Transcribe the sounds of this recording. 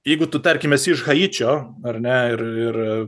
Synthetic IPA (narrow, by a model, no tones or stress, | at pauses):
jɛɪɡʊt̪ʊt̪ɐɾʲkʲɪmʲɛsɪʃɣɐiːt͡ʃʲoː | ɐrnʲɛɪrɪr